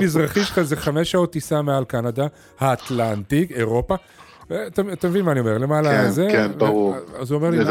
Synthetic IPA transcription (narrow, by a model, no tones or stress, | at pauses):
mizʁaχiʃazeχame̞ʃao̞t̪ːisamealkanad̪a | haːt̪lant̪ike̞ʁo̞pa | vet̪aat̪amevinmaːnio̞me̞ʁle̞malaezeenuzuomeli